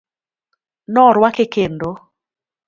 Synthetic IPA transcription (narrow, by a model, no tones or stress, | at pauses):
nɔɾwakekendo